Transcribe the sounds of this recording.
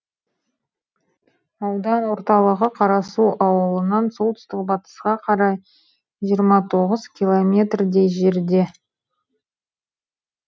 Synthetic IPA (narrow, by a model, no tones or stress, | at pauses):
ɑwd̪ɑnwo̞ɾt̪ɑlˠəʁəqʰɑɾɑsuʔɑwəlˠənɑnso̞lˠt̪ʏ̥st̪ɪk̚bɑt̪ə̥sqɑqʰɑɾɑj | ʒijəɾmɑt̪ʰo̞ʁəzkʲʰilˠomʲe̞t̪rd̪e̞jʒe̞ɾd̪e̞